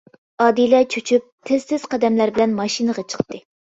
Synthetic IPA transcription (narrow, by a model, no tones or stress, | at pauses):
ɑd̪ilɛt͡ʃʰyt͡ʃʰyp̚t̪ʰɪz̥sɪz̥qɑd̪ɛmlæɾbɪlɛnmɑʃinɨʁɑt͡ʃʰə̥χt̪ɨ